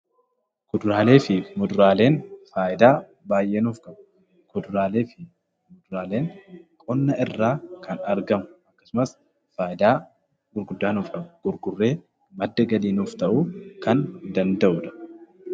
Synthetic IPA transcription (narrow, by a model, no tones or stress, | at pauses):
kɔd̪ʊɾaːle̞ːfɪmɔd̪ʊɾaːle̞ːnfaːʔɪd̪aː | baːjʔe̞ːnʊːfkɐm | kɔd̪ʊɾaːle̞ːfɪ | mɔd̪ʊɾaːle̞ːŋkʼɔnːɐʔɪrːaːkʰɐnɐɾɡɐmʊɐkːɐ̥sʊmɐs | faːʔɪd̪aː | ɡʊɾɡʊd̪ːaːnɔfkɐɡ̥ʊɾɡʊrːe̞ː | mɐd̪ːɐɡɐliːnuːft̪ɐʔuːkɐnd̪ɐnd̪ɐʔʊᶑɐ̥